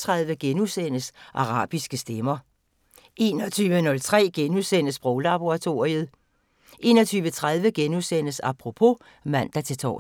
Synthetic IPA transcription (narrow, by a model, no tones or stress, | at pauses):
t͡sʰʁaðˠʋəɡ̥enusen̰əsʔɑ̈ʁɑ̰̈ːb̥isɡ̥əsd̥emɐ | e̝ːnɒt͡sʰyːʋənɔ̽lt͡sʰʁɛ̰ːɡ̥enuðˠsen̰əsb̥ʁɔʊlɑb̥o̝ʁɑ̈t͡sʰo̝ɐʁið̞̩ˠ | ʔe̝̰ːnɒ̽t͡sʰyːʋət͡sʰʁað̞ˠʋəɡ̥enuðˠsen̰əsɑ̈pʰʁo̝pʰo̝ | mæn̰d̥ɑ̈t͡sʰe̝t͡sʰɒ̰ː